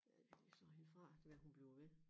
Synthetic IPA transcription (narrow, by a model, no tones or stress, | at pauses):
æ̥esɒhefʁɑ̰̈d̥e̝ʋæɐhunb̥liʊɐʋe